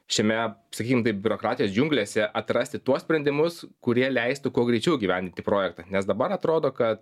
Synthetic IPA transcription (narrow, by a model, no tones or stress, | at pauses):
ʃʲiɛmʲɛsɐkʲiːkʲɪmt̪ɐɪpbʲʊɾokɾɑːt̪ʲɪjoːsd͡ʒʲʊŋklʲeːsʲɛʔɐt̪ɾɐsʲt̪ʲɪt̪uɔsʲpʲɾʲɛnd̪ʲɪmʊskʊɾʲiɛlʲɛɪst̪ʊkuɔɡɾʲɛɪt͡ʃʲɛʊɡʲiːʋʲɛnʲd̪ʲɪnt̪ʲɪpɾoːjɛkt̪ɐnʲɛsd̪ɐbɐɾɐt̪ɾoːd̪oːkɐt̪